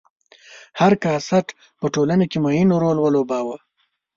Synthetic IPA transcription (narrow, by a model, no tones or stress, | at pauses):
haɾkɑsaʈ | pəʈolanakemajinoɾolwəlobɑwa